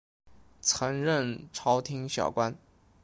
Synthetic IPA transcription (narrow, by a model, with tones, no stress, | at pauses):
t͡sʰɤ˧˥ŋɻə˥˩nʈ͡ʂʰɑ˥ʊt̪ʰi˥ŋɕjɑ̰˨˩ʊkwa˥n